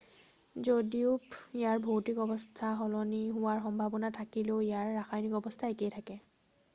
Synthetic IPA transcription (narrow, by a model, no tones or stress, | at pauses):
zodiʊpijaɹbʱowtikɔbɔstʰaɦɔlɔniɦʊwaɹxɔmbʱabɔnatʰakiloijaɹːaxajnikɔbɔstʰaekejtʰakɛ